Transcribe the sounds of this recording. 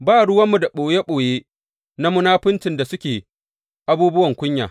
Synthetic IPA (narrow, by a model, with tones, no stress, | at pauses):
baː˦ɽʊ˦wɐ˦mːu˨da˨ɓoː˨je˦ɓoː˨jeː˦ | na˦mʊ˦naː˦ɸɪ˦ntɪ˨nda˨sʊ˦kʲeː˨ | ʔa˦buː˦bʊ˦wɐ˨ŋkʷʊ˦ɲja̰ː˨